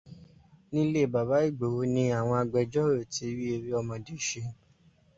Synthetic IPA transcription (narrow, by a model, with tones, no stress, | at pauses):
nĩ˦le˦˨ba˨ba˨˦i˦˨ɡ͡bo˨wo˨˦nĩ˧˦a˨w̃ɔ̃˧a˧ɡ͡bɛ˧d͡ʒɔ˦ɾo˦˨ti˨˦ɾi˦e˧ɾi˦ɔ˧mɔ̃˧de˨ʃe˧